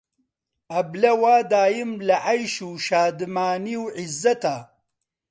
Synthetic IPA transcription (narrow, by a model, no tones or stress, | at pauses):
ɐblɐwaːd̪aːjimlɐʕajʃuːʃaːd̪maːniwʕizːɐt̪aː